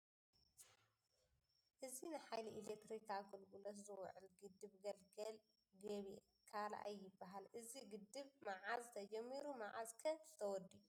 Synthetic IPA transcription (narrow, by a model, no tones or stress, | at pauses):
ʔɨzinɨħajliʔilek̚t̪ɾikʰaɡolɡulɐt̪zɨw̰ʕɨlɡɨd̪ːɨβɡɐlɡɐl | ɡɐβi | kʰala̰ʔa̰jːɪbːaɦalʔɨziɡɨd̪ːɨβmaʕazt̪ʰɐd͡ʒɐmːiɾumaʕa̰zkʰɐzɨt̪ʰɐwɔd̪ːiju